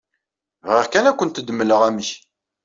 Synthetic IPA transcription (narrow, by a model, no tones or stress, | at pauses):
vʁiʁkænækʷːənt̪əd̪mːələʁæməç